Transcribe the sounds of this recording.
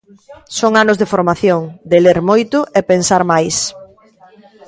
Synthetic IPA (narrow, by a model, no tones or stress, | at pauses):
soŋanʊzðefoɾmaθjoŋd̪eleɾmojt̪ʊʔepensaɾmajs